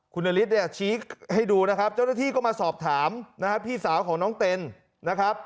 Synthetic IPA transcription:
kʰu˧nːʔaː˧li˦˥t̪̚da˥˩ja˨˩t͡ɕʰiː˦˥kha˥˩jduː˧na˦˥kʰa˦˥p̚t͡ɕaː˥˩wna˥˩t̪ʰiː˥˩kɔː˥˩maː˧sɔː˨˩p̚t̪ʰaː˩˦mna˦˥kʰa˦˥pʰiː˥˩saː˩˦wkʰɔː˩˦ŋnɔː˦˥ŋt̪e˧n | na˦˥kʰɾa˦˥p̚

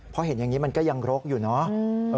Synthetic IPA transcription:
pʰɔ˦˥he˩˦nja˨˩ŋːi˦˥ma˧nkɔː˥˩ja˧ŋɾo˦˥k̚juː˨˩nɔ˦˥ʔɤː˧

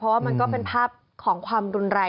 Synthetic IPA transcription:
pʰɾɔ˦waː˥˩ma˧nkɔː˥˩pe˧npʰaː˥˩p̚ | kʰɔː˩˦ŋkʰwaː˧mɾu˧nɾɛː˧

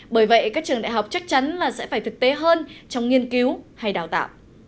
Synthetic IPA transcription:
ɓəː˧˩jvə̰˧˨jkaː˦˥k̚t͡ɕɨ˨˩əŋɗa̰˧˨ɦwk͡p̚t͡ɕa˦˥k̚t͡ɕa˨˦nlaː˨˩sɛ̰˧˥faː˧˩jt̪ʰɨ˨˩k̚t̪e˨˦ɦəː˧nt͡ɕɔ˧wŋ͡mŋi˧ənki˨˦wha˧jɗaː˨˩wt̪a̰ː˧˨wʔ

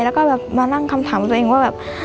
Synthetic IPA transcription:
lɛ˦˥wkɔː˥˩bɛː˨˩p̚maː˧la˥˩ŋkʰa˧mt̪ʰaː˨˩˦mkːɔ˧t̪ːʔeː˧ŋwaː˥˩bɛː˨˩p̚

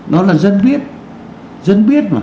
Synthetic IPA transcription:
ɗɔ˨˦laː˨˩zə˧nɓi˦˥ət̚ | zə˧nɓi˦˥ət̚maː˨˩

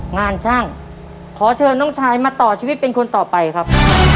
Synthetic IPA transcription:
ŋaː˧nt͡ɕʰaː˥˩ŋ | kʰɔː˩˦t͡ɕʰɤː˧nːɔ˥˩ŋt͡ɕʰaː˧jmaː˧t̪ɔː˨˩t͡ɕʰiː˧wi˦t̪̚pe˧nkʰo˧nt̪ɔː˨˩pa˧jkʰɾa˦˥p̚

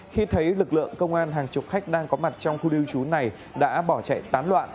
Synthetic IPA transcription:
xi˧t̪ʰə˨˦jlɨ˨˩k̚lɨ̰˧˨əŋkə˧wŋ͡mʔaː˧nɦaː˨˩ŋt͡ɕʊ˨˩k͡p̚xa˦˥k̟̚ɗaː˧ŋkɔ˨˦ma˨˩t̚t͡ɕɔ˧wŋ͡mxu˧ɗi˧wt͡ɕu˨˦na˨˩j | ɗa̰ː˧˥ɓɔ˧˩t͡ɕa̰˧˨jt̪aː˨˦nlwa̰ː˧˨nʔ

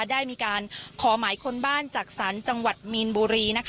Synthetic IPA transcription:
daː˥˩jmiː˧kaː˧nkʰɔː˩˦maː˩˦jkʰo˧nbaː˥˩nt͡ɕaː˨˩k̚saː˩˦nt͡ɕa˧ŋwa˨˩t̪̚mi˧nbuː˧ɾiː˧na˦˥kʰ

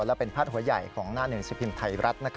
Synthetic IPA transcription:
lɛ˦˥pe˧npʰaː˥t̪̚hu˩˦ɐja˨˩jkʰɔː˩˦ŋnaː˥˩nɯ˨˩əŋsi˧˩pʰi˧mt̪ʰa˧jɾʔa˦˥t̪̚na˦˥kʰ

